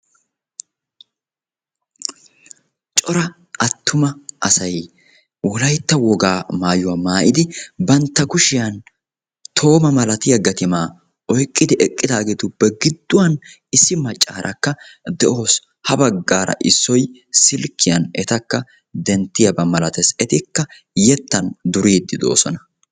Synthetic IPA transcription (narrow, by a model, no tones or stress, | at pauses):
t͡ʃʼɔɾɐ | ʔɐt̪ːʊmɐʔɐsɐj | wɔlɐjt̪ːɐwɔɡaːmaːjʊwɐmaːʔɪd̪ɪbɐnt̪ːɐkʊʃɪjɐn | t̪ʰo̞ːmɐmɐlɐt̪ɪjɐɡɐt̪ɪmaː | ɔjkʼːɪd̪ɪʔɛkʼːɪd̪aːɡet̪ʊbɛɡɪd̪ːʊwɐn | ɪsːɪmɐt͡ʃʼːa̰ːɾʔɐ̰kːɐd̪ɛʔo̞ːs | hɐbɐɡːaːɾɐ̰ʔɪsːɔjsɪlkːɪjɐnɛt̪ɐkːɐ | d̪ɛnt̪ːɪjɐbɐmɐlɐt̪ɛsɛt̪ɪkːɐ | jɛt̪ːɐnd̪ʊɾiːd̪ːɪd̪o̞̰ːsɔnɐ